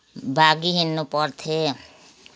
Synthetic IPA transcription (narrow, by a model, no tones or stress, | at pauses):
bʱaːɡiɦɪnːopɔɾt̪ʰe